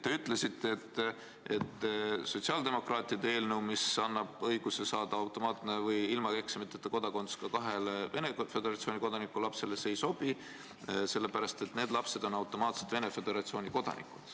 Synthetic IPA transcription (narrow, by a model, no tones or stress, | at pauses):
t̪e̞yt̪ˑle̞sit̪ːeet̪ː | et̪ːso̞t̪siɑːld̪e̞mo̞krɑːt̪ˑiɑd̪̥ee̞ːlnəwmisɑnːɑb̥ɤjɡ̥use̞sɑːd̪̥ɑɑwt̪ˑo̞mɑːt̪ne̞vɤjilmɑke̞ksmit̪ːˑet̪ːˑɑko̞d̪̥ɑko̞nd̪u̥skɑkɑɦe̞lve̞ne̞fe̞d̪eɾɑt̪sionikod̪ɑnikulɑpse̞lese̞jso̞b̥i | se̞lːe̞pæɾɑst̪e̞t̪ne̞ːd̪lɑpse̞d̪̥o̞nɑwt̪ːo̞mɑːt̪se̥t̪ve̞ne̞fe̞d̪̥e̞ɾɑt̪sioːnʲiko̞d̪̥ɑ̰nḭkːˑud̥̪